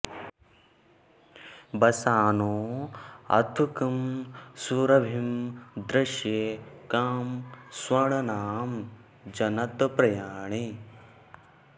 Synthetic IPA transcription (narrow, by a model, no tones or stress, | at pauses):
bɐsaːnoː | ɐ̰t̪ʰukɐmsuɾɐbʱimd̪ɾɐʃjeːkaːmswɐɳɐnaːm | d͡ʒɐnɐt̪pɾɐjaːɳi